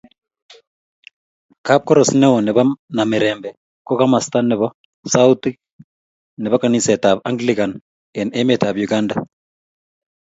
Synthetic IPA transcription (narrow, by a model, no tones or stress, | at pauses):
kap̚kɔɾɔsinɛwɔneβanameɾɛːmbɛ | kokamastaneβɔ | sauti | neβakanisɛtaβaŋɡlikan | ɛnɛmetaβjuɡanda